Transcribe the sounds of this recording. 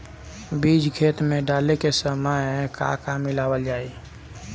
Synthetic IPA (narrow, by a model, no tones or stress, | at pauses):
bid͡ʒkʰeːt̪mẽɖaːlekesəməɪka̰kamːɪlaːwəld͡ʒaːi